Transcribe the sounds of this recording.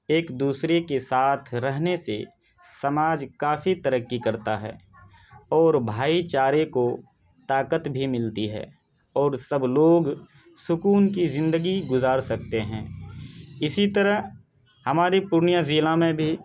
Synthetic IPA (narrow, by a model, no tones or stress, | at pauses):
eːkd̪uːsɾekesaːt̪ʰɾəɦnese | səmaːd͡ʒkaːfit̪əɾəkːikɐɾt̪aɦɛ̰ː | ɔːɾbʱaːit͡ʃaːɾeko | t̪aːkət̪bʱimɪlt̪iɦɛ̰ː | ɔːɾsəbloːɡ | sʊkuːnkizɪ̃nd̪əɡiɡʊzaːɾsɐk̚t̪eɦɛ̰̃ː | ɪsit̪əɾəɦ | hɐmaːɾipʊɾnijazilãmẽbʱi